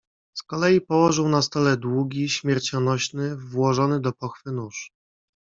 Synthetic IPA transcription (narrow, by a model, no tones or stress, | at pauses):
skɔlɛjipɔwɔʐɘwnast̪ɔlɛd̪wuɡʲiɕmʲjɛɾt͡ɕɔnɔɕnɘvwɔʐɔnɘd̪ɔpɔxfɘnuʂ